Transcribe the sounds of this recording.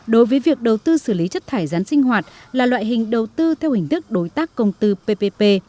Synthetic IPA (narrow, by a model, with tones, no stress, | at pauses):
ɗo˨˦jvəː˨˦jvi˨˩ək̚ɗə˨˩wt̪ɨ˧sɨ˧˩li˨˦t͡ɕə˦˥t̚t̪ʰaː˧˩jzaː˨˦nsï˧ŋ̟hɦwaː˨˩t̚laː˨˩lwa̰ː˧˨jɦï˨˩ŋ̟ɗə˨˩wt̪ɨ˧t̪ʰɛ˧whï˨˩ŋ̟t̪ʰɨ˦˥k̚ɗo˨˦jt̪aː˦˥kːə˧wŋ͡mt̪ɨ˧pe˧pe˧pe˧